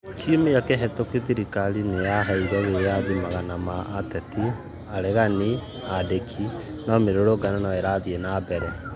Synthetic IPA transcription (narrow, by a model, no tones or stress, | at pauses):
kʰiomejakeɦɛtokeðiɾikalineaɦaiɾɔɣeaðimaɣanamaʔːtɛt̪i | aɾeɣani | adekʰi | nɔmeɾoɾoɡananaɛɾaːðienabɛɾɛ